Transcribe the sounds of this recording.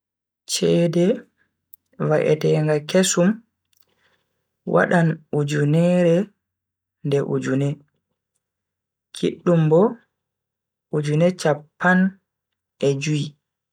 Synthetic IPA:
t͡ʃɛdɛ | vaʔɛ̰tɛŋɡakesum | wa̰ɗanud͡ʒunɛɾɛ | ndɛʔṵd͡ʒunɛ | kʰḭɗːumbɔ | ud͡ʒunɛt͡ʃapːan | ʔɛd͡ʒui

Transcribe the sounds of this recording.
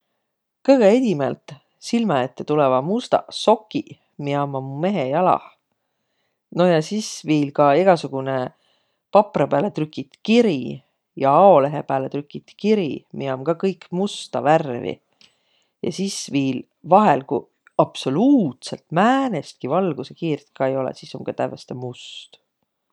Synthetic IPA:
kɤjɡ̥eed̪ʲimelt̪ˑ | silmɑet̪ːet̪ulɛvɑmust̪ɑ̰so̞kːi | miɑmɑmume̞ɦejɑlɑ̰h | no̞jɑsisviːlkɑeɡ̥ɑsuɡ̥une | pɑprɑpæːlet̪rykːˑit̪kiɾi | jɑɑo̞le̞ɦepæːlet̪rykːˑit̪kiɾḭmiɑmkɑkɤjkmust̪ɑværvḭ | jɑ̰sisviːl | vɑɦelku | ɑpso̞luːt̪se̞lt̪mæːnest̪̚kivɑlɡ̥usekiːrt̪kɑe̞jo̞lḛsisomkɑt̪ævest̪ɑmust̪

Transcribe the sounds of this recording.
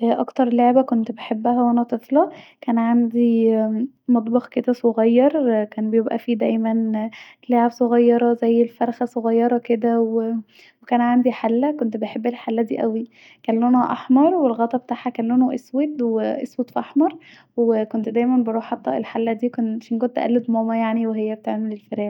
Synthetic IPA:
ʔʔɑkt̪ɑɾˤleʕbækont̪beħebːæhæwʔænæt̪ˤeflɑkæːnʕand̪i | mɑt̪ˤbɑxked̪æsoɣɑjːɑɾˤkæːnbejebʔæ̰fiːd̪æjmænleʕebsoɣɑjːɑɾˤɑzæjːelfæɾˤxæsˤoɣɑjːɑɾˤɑked̪æw | wekæːnʕand̪iħalːækont̪beħebːelħalːæd̪iːʔæwi | kæːnlːonoʔɑħmɑɾˤwelɣɑːt̪ˤɑbet̪aːʕhækæːnlːonoʔeswet̪weʔeswet̪fʔɑħmɑɾˤ | wekont̪d̪æjmænbeɾˤuːħħat̪ˤːæ̰ʔelħalːæd̪iːkonʃinkont̪ʔæ̰lːod̪momæjaʕniweɦejːæbet̪eʕmelelfeɾæː

